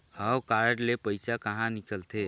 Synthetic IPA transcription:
həwkaɾɖlepəɪsakəɦãnikəlt̪ʰe

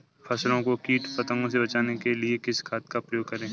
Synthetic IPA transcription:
fʰɛslõkokiːʈpɐt̪ə̃ŋɡõsebɐt͡ʃaːnekeliekɪskʰaːt̪kapɾəjoːɡ̚kɐɾẽː

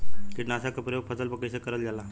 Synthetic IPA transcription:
kiʈnəsakapɾəjoɡ̚pʰəsəlpəkːəjsekəɾəld͡zala

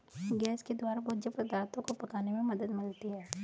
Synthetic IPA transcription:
ɡɛːsked̪waːɾabɔːd͡ʒəpɾɐd̪aːɾt̪õkopɐkaːnemẽmɐd̪əd̪mɪlt̪iɦɛː

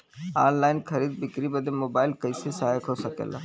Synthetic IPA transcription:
a̰ːnlaːɪnkʰɐɾiːd̪̚bɪkɾibɐd̪emoːbaːɪlkɐisesaajkɦosɐkḛːla̰

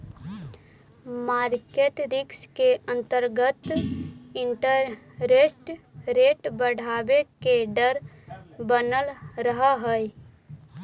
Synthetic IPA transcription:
maːɾkeʈɾɪkskeə̃nt̪əɾɡət̪ | ɪɳʈəɾ | ɾesʈɾeʈbəɽ̤ʱabekeɖəɾ | bənəlɾəɦəɦəj

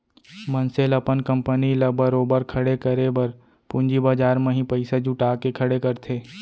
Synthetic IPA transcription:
mənselɐpənkə̃mpəniləbəɾoːbəɾkʰɐɽekəɾebəɾ | pʊ̃ɲd͡ʒibaːd͡ʒaːɾmẽɦĩpəɪsed͡ʒʊʈaːkekʰɐɽekɐɾt̪ʰeː

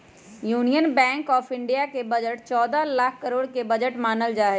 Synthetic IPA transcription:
juːnijənbɛ̃ːŋkɔːfɪ̃ɳɖijakebɐd͡ʒəʈ̚t͡ʃɔːd̪alaːkʰːəɾoːɽkebɐd͡ʒəʈmaːnəld͡ʒaːɦe

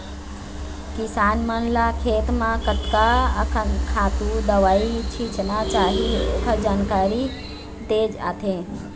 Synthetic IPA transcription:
kisaːnmənlakʰeːt̪mãkət̪kaəkʰənkʰaːt̪ud̪əʋaːit͡ʃʰit͡ʃənat͡ʃaːɦio̰ːkʰad͡ʒaːnkaːɾi | t̪eːd͡ʒa̰ːt̪ʰẽ

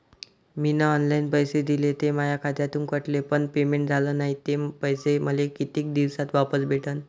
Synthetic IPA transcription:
minaɔnlainpəjsed̪ilet̪emajakʰad̪jat̪uːnkəʈlepəɳpemeɳʈd͡zʱalənaɦit̪epəjseməlekit̪iːk̚d̪iʋsat̪ʋapəsbʱeʈʰən

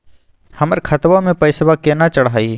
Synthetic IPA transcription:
hɐməɾkʰɐt̪ʋamẽpɐɪswakenat͡ʃəɽɦaːi

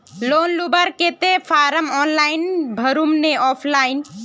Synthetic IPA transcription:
loːnlubəɾket̪epʰaɾəmɔːnlainbʱəɾumneɔːpʰlaːin

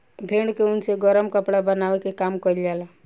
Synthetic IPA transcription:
bʱeːɳɖkeʊnseɡɔɾəmkəpɽabənaːʋekekaːmkɔljaːla

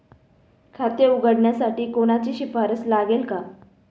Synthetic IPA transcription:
kʰat̪jeuɡəɽɳjasaʈiːkoɽ̃at͡ɕiːɕifaɾət͡slaɡelka

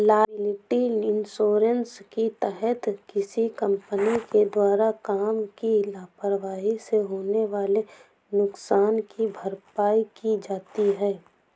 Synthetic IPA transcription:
laːɪlɪʈiɪnsoːɾənskit̪ɛɦət̪kɪsikə̃mpəniked̪waːɾakaːmkilaːpɾəʋaːɦiseɦoːneʋaːle | nʊksaːnkibʱəɾpaːikid͡ʒaːt̪iɦɛː

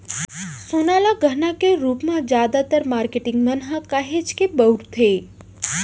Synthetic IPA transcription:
sonalaɡʱənakeɾupmãd͡ʒjad̪at̪əɾmaɾkeʈɪŋɡmənɦãkaɦed͡ʒkebəuɾt̪ʰe

